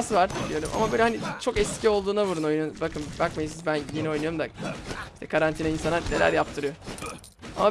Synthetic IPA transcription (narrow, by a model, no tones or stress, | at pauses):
svaɾd̪ijo̞ɾṵma̰mabøjlʲɛhanit͡ʃʰo̞kɛscʰio̞lˠd̪uːnaβuɾuno̞jnujbakʰɯnbakmajisizbænjenɛo̞jnujoumd̪aiʃt̪ʰɛkʰaɾant̪ʰinainsanane̞læ̰ɾjap̚t̪ʰɯɾɯjo̞ | a̰ma